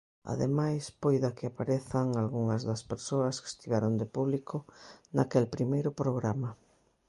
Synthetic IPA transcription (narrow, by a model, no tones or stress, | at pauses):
a̰ðḛmajspojðakɪapaɾeθaŋalɣuŋɐzðɐspeɾsoɐske̥st̪iβaɾond̪epuβlikʰʊna̰kelpɾimejɾʊpɾoɣɾama